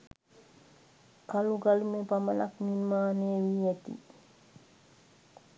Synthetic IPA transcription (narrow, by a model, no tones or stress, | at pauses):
kaluɡalumepaməla̰kninmaːneəʋiːæt̪ḭ